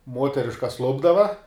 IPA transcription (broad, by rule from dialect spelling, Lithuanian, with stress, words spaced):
ˈmuɔtʲɛrʲɪʃkɐs ˈlˠʊbdɐʋɐ